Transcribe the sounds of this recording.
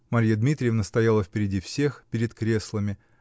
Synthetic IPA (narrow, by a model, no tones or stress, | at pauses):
mɐɾʲjəd̪mʲit̪ɾʲɪjɪfnəst̪ɐjalˠəfʲpʲɪɾʲɪdʲifsʲexpʲɪɾʲɪt̪kɾʲe̞slˠəmʲɪ